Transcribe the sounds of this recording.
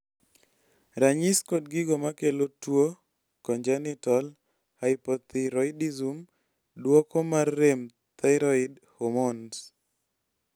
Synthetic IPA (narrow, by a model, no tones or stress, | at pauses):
ɾaɲiskod̚ɡiɡomakelotwo | kɔɲd͡ʒanitɔl | haɪpɔt̪iɾɔɪdizum | dwɔkomarːem | t̪aɾɔid | homons